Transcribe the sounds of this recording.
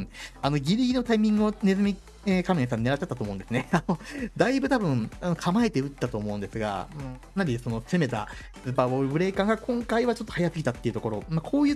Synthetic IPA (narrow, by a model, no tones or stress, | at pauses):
ano̞ɡʲiɾʲiɡʲino̞t̪aimʲĩŋɡɯ̟one̞zɨmʲi | ekamies̬ãɲ̟ineaɕt͡ɕːat̪ːat̪omo̞ɯ̃nd̪e̞sɨne̞ano̞d̪aibɯ̟t̪abɯ̟̃ɴanokʰamaet̪e̞ɯ̟t̪ːat̪o̞ːmo̞ɯ̟̃nd̪e̞sɨɡa̰ɯ̃ɴanaɾʲiso̞no̞seme̞t̪a̰ | sɨpaːboːɾɯbɯ̟ɾe̞ːkãŋɡakʰõ̞ŋkaiβat͡ɕot̪ːo̞hajasɨɡʲit̪at̪ːe̞iɯ̟t̪o̞ko̞ɾo̞makʰo̞ːjɯ̟ː